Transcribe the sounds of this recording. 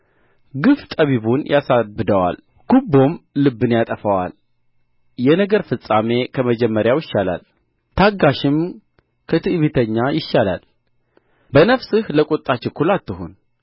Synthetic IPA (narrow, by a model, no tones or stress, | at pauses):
ɡɨft̪ʼəβiβunjʔasabɨd̪əwa̰l | ɡ̥ubːo̞mlɨbːɨnjat̪ʼəfəwa̰l | jɛnəɡəɾfɨsʼame̞kʰəməd͡ʒɛmːəɾjawjɪʃːala̰l | t̪ʰaɡːaʃɪm | kʰət̪ʰɨʔɨβit̪ʰəɲːajɪʃːala̰l | bənəfsɨhləkʼot̪ʼːat͡ʃɪkʰːulat̪ːɨɦun